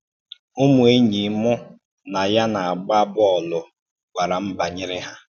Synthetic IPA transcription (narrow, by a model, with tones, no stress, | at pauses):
ʊ˦mu˨e˦ɲi˨˦mʊ˦ | na˨ja˦na˨a˨ɡ͡ba˦bʊ˦ɔ˨lʊ˨ | ɡʷa˨ɾa˨m̩˦ba˨ɲɪ˦ɾɪ˦ɦa˦